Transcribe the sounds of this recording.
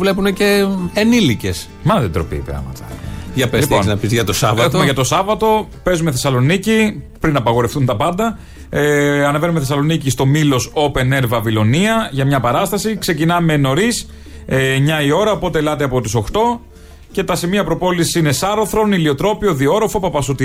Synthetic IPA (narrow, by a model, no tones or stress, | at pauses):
vle̞puneceːnilice̞s | mɐðed̪ɾo̞pḭːpɾɐ̰mɐ̰t̪ɐ̰ʝɐpelipnnɐpizʝɐt̪osɐvɐeomeʝɐt̪o̞sɐvɐt̪o̞ | pe̞zume̞θe̞sɐlo̞nicipɾinɐpɐɣo̞ɾefθunt̪ɐpɐnd̪ɐ | ɐneve̞numeθesɐlo̞nicist̪o̞milo̞so̞pe̞ne̞ɾvɐvilo̞niɐʝɐmɲɐpɐɾɐst̪ɐsikse̞cinɐme̞no̞ɾis | mɲɐio̞ɾɐopo̞t̪elɐt̪eɐpo̞t̪iso̞xt̪o̞ | ce̞t̪ɐsimiɐpɾo̞po̞lisi̥sinesɐɾoθɾo̞nilio̞t̪ɾo̞pioðio̞ɾo̞fo̞pɐpɐsut̪i